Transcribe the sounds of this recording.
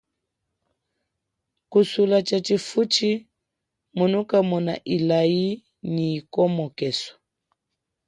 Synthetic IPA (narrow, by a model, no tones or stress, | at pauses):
kusulat͡ʃat͡ʃifut͡ʃi | munukamɔna̰ʔilai | ɲiːkɔmɔkɛsɔ̥